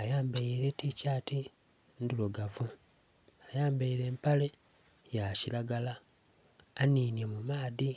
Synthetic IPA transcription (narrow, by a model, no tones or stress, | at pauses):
ajaːmbaiɾe̞ticaːti | nduloɡavu | ajaːmbaiɾe̞ːmpale̞ | jacilaɡalaː | ninjemumaːði